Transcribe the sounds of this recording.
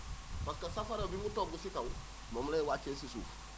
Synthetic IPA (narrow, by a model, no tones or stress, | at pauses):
paskasafaɾobiŋutoːɡusikawu | momlewaːt͡ʃːeːsisṵːf